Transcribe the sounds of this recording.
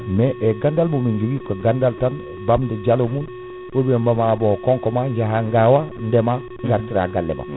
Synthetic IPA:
meʔeɡandalbumiɲd͡ʒiɡikoɡandaltan | bamdəd͡ʒalomun | obiembamaabokoŋkomaɲɟaɦaŋɡawandema | ŋɡaɾtiɾa̰ɡalːḛba̰

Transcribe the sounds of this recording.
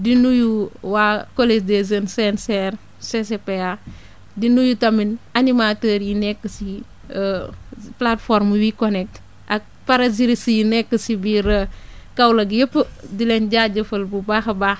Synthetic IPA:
dinujuwaːkoled͡ʒdezənsɛnsɛɾ | sesepea | dinujutɐminanimatəːɾjinɛkːəsi | əplatfɔɾmwikɔnɛk̚t | ɐk̚paɾɐziɾisijinɛkːəsibiːɾəkɐwlɐɡjəpːədilɛnɟaːɟɐfɐlbubaːxɐbaːx

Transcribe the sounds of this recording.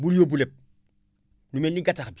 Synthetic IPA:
buljobulep̚ | numenniɡataxbi

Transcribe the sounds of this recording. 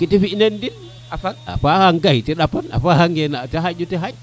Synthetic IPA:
kitifiʔnendin | afak̚a̰fahaŋɡaitiɗapːana̰fahaŋɡenateɦad͡ʒutiɦaj

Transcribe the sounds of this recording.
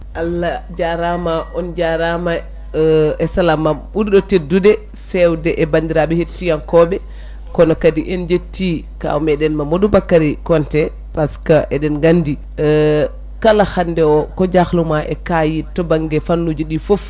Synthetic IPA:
ʔalːad͡ʒaɾamaʔɔnd͡ʒaɾama | ɛsalamaɓuɾɗɔtedːudɛ | fɛwdɛʔɛbandiɾaɓɛhetːijankɔɓɛ | kɔnɔkadiʔɛnd͡ʒetːi | ka̰mɛɗɛnmamodubakːaɾikɔntɛ | paskaʔɛɗɛnɡandi | kalahandɛɔkɔd͡ʒaxlumaʔɛkajitɔbaŋɡɛfanːud͡ʒuɗifof

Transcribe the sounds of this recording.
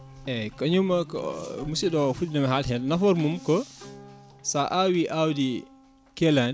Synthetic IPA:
ɛkaɲumakɔ̰musiɗɔfutdamɛɦalɦɛlnafɔɾmumkɔ | saʔawiʔawdi | kɛlan

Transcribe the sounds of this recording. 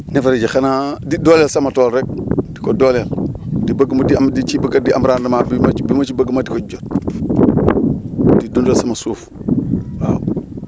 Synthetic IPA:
nefaɾid͡ʒixanadidolelsamatolɾek̚dikodoleldibaɡmadiamdit͡ʃibaɡadiʔamɾaːndamabimabimat͡ʃibaɡmadikod͡ʒot̚ | didundolsamasuːf | wa̰

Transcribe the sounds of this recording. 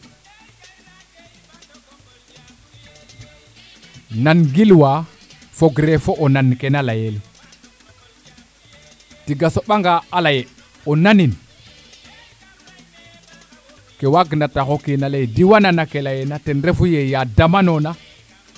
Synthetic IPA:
nanɡilwa | foɡɾefoʔonanːkenalajele | tiɡasoɓaŋɡaalaje | onanin | kewaɡnataxokinalejdiwananakelajenatenɾefujejadamanona

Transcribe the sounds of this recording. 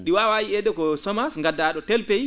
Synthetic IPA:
ɗiwawajiɛɗɛkɔsɔmasŋɡadːaːɗɔtɛlpej

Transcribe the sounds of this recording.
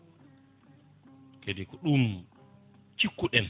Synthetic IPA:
kedikɔɗum | t͡ʃikːuɗɛn

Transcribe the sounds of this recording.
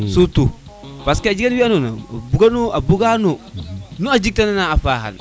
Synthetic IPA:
sutu | paskead͡ʒiɡanwianona̰buɡanuabuɡanonuad͡ʒik̚tananaafaɦa̰n

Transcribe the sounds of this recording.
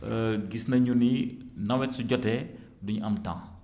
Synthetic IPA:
ɡisnɐɲuninɐwɛtsuɟɔtɛ | duɲuʔɐmtã̰ŋ

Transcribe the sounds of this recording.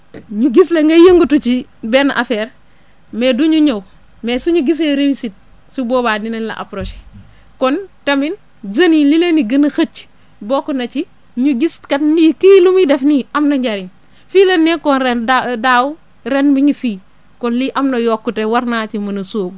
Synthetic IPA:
ɲuɡis̬leŋɡɐjəŋɡutut͡ʃibɛnaʔafɛɾ | meduɲuɲɐw | mesuɲuɡis̬leɾewisit̚ | subɔːbaːdinenlɐ̰ʔa̰pɾoʃe̥ | kɔntɐmin | d͡ʒɐnilileniɡɐnɐxɐt͡ʃ | bɔkunɐt͡ʃi | ɲuɡiskɐtniːkilumidɛfniɐmnɐɲɟaɾin | fiːlɐnːekɔnɾedadawu | ɾɛnbiɲufiː | kɔnliʔɐmnɐjɔkːutewɐɾnat͡ʃimɐnɐsoːb

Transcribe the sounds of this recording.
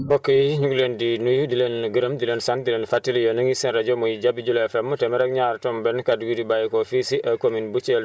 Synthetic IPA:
bokːəjiɲuɡlendinujudilenɡəɾəmdileːnsandileːnfatːiljonəŋisinɾaɟomujiɟabiɟulɛfɛmːətɛmɛɾɛk̚ɲaɾtombɛnkaduɡudibajikofisiʔɐkominbut͡ʃel

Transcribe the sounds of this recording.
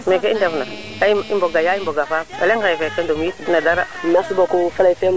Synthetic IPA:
mɛ̃kɛindɛfna | aiimboɡajaibɔɡafaɛ̰lɛŋajɛfɛkɛndomjinadaɾamasubakufalaifɛm

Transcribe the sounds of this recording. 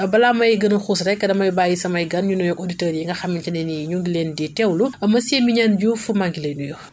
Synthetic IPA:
bɐlaːmɐjɡɐnɐxusɾɛkːɐdɐmɐjbaːjisɐmɐjɡɐnɲunɔjɔkoditəːɾjiŋɡɐxɐmːintɐnɛniɲuŋɡileːnditɛwlumɐseːmiɲanɟufumaŋɡilenujɔ

